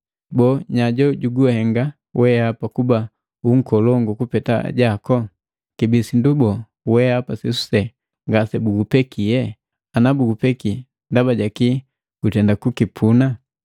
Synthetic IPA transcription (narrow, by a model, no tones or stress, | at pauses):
bɔɲaɟɔɟuɡuɛhɛŋɡa | wʔɛapakuba | uŋ̩kɔlɔŋɡukupɛta̰ɟakɔ | kibisindubɔ | wɛapasisu̥sɛ | ŋɡasɛbuɡupɛkiɛ | anabuɡupɛki | ndabaɟaki | ɡ̥utɛndakukipʰuna